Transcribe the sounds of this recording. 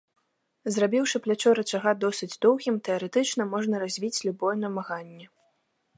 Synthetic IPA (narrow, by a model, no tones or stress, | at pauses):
zrabʲiwʂɨplʲat͡ʂɔɾɐt͡ʃaɣad̪ɔsɨd͡zʲd̪ɔwɣʲimt̪ɛɐɾɛt̪ɨt͡ʂnɐmɔʐnɐɾazʲvʲit͡sʲlʲubɔjɛnɐmaɣanʲːɛ